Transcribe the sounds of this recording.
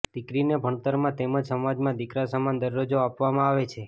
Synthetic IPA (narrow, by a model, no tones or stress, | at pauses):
d̪̥ikɾinebʱəɳt̪əɾmãt̪eməd͡ʒsəmad͡ʒmãd̪ikɾasəmand̪əɾːod͡ʒoapʋamãaʋet͡ʃʰe